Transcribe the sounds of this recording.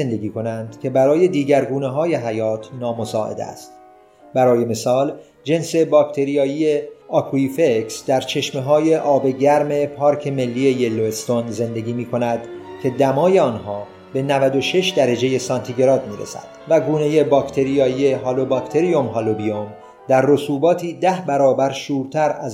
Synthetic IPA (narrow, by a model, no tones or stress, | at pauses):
end̪eɡiːkʰo̞nænd̪̥cʲʰe̞bæɾɒːje̞d̪iːɟæɾɡuːneɦɒːje̞ɦæjɒːt̪ʰnɒːmo̞sɒːʔḛd̪æ̰st̪ | bæɾɒːje̞me̞sɒːl | d͡ʒe̞nse̞bɒːkt̪ʰe̞ɾijɒːiːe̞ɒkʰuifeksd̪æɾt͡ʃʰe̞ʃme̞ɦɒːje̞ʔɒːbe̞ɟæɾme̞pʰɒːɾkʰe̞me̞lːiːe̞je̞lːoest̪onze̞nd̪e̞ɡʲiːmiːkʰo̞næd̪cʲʰe̞d̪æmɒːje̞ɒːnɦɒː | be̞nævæd̪o̞ʃe̞ʃd̪æɾed͡ʒe̞je̞sɒnt̪ʰiɡeɾɒːd̪miːɾḛsæ̰d̪̥væɡuːne̞je̞bɒkt̪ʰe̞ɾijɒːie̞ɦɒːlobɒkt̪ʰe̞ɾijomɦɒlobiom | d̪æɾːo̞suːbɒːt̪ʰiːd̪æhbæɾɒːbæɾʃuːɾt̪ʰæɾæz